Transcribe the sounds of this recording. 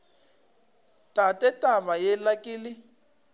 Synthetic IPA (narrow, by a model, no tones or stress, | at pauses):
tatʼɛtʼaβajɛlakʼiːlɪ